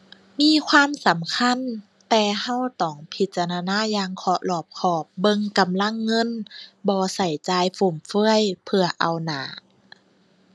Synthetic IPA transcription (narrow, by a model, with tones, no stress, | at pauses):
miː˧˥˨kʰwaː˧˥˨msa˨˦mkʰa˧˥˨n | t̪ɛː˧˩ha˧˥˨wt̪ɔː˨˩˦ŋpʰi˧˦t̪̚t͡ɕa˧ɾaː˧naː˧˥˨jaː˧ŋkʰɔː˧ʔlɔː˧˩p̚kʰɔː˧˩p̚bɤ˧ŋka˧˨mla˧˥˨ŋːɤ˧˥˨nbɔː˧sa˨˩jt͡ɕaː˧jfu˨˧˩mfɯ˧˥˩əjpʰɯ˧ɐʔa˧wna̰ː˨˦